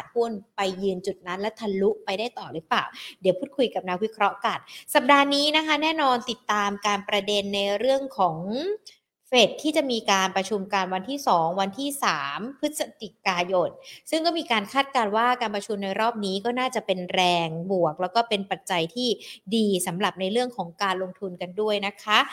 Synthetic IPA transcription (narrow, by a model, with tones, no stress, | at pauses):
a˨˩t̪̚hu˥˩ənpa˧jːɯː˧nt͡ɕu˨˩t̪̚na˦˥nlɛ˦˥t̪ʰa˧lu˦˥ʔpa˧jdaː˥˩jt̪ɔː˨˩ɾɯ˦˥plaː˨˩wdi˩˦wpʰuː˥˩t̪kʰu˧jka˨˩p̚na˦˥k̚wi˦˥kʰɾɔ˦˥ka˨˩nsa˨˩p̚daː˧niː˦˥na˦˥kʰa˦˥nɛː˥˩nɔː˧nt̪i˨˩t̪ːaː˧mkaː˧npɾa˧de˧nːa˧jɾɯ˥˩əŋkʰɔː˩˦ŋ | fe˨˩t̪ʰːiː˥˩t͡ɕa˨˩miː˧kaː˧npɾa˧t͡ɕʰu˧mkaː˧nwa˧nt̪ʰiː˥˩sɔː˩˦ŋwa˧nt̪ʰiː˥˩saː˩˦mpʰɯ˦˥t̪̚sa˧t̪i˨˩kaː˧jo˧nsɯ˥˩ŋkɔː˥˩miː˧kaː˧nkʰaː˥˩t̪̚kaː˧nwaː˥˩kaː˧npɾa˧t͡ɕʰu˧mna˧jɾɔː˥˩p̚niː˦˥kɔː˥˩naː˥˩t͡ɕa˨˩pe˧nɾɛː˧ŋbu˨˩ək̚lɛː˦˥wkɔː˥˩pe˧npa˨˩t̪̚t͡ɕa˧jt̪ʰiː˥˩diː˧sa˩˦mɾa˨˩p̚na˧jɾɯ˥˩əŋkʰɔː˩˦ŋkaː˧nlo˧ŋt̪ʰu˧nka˧ndu˥˩əjna˦˥kʰa˦˥